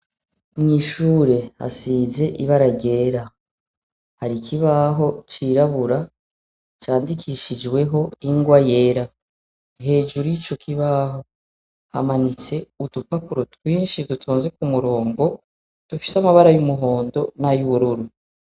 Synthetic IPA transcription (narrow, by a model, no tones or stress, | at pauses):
mɲiʃuːɾe̞ha̰siːze̞ʔiβaɾaɟe̞ːɾa | haɾikʰiβaɦo̞t͡ʃiɾaβuɾa | t͡ʃaːndikʰiʃid͡ʒɡwe̞ɦo̞iŋɡwaje̞ɾa | ɦe̞ːd͡ʒuɾuit͡ʃo̞kʰiβaɦo̞ | ha̰manit͡se̞udupapuɾotwiːnʃidutʰuːnze̞kumuɾo̞ːŋɡo̞ | d̥ufi̥samaβaɾajumuɦo̞ːndo̞najuβuɾuɾu